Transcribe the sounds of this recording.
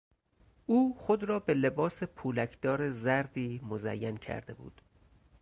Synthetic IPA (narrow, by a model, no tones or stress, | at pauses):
ʔuːxod̪ɾɒːbe̞le̞bɒːse̞pʰuːlækʰd̪̥ɒːɾezæɾd̪iːmozæ̰jːæncʰæ̰ɾd̪e̞̰bṵːd̪̥